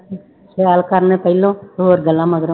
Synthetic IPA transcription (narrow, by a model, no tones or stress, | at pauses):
seaːlkaːɾnẽːpəɪlõːt̪oɦoːɾɡəlãːməɡɾ